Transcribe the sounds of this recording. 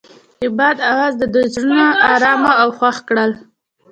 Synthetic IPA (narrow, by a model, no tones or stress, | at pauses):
ɪbɑd̪awɑzd̪əd̪uzɽənaːɾɑmaawxwaxkɽəl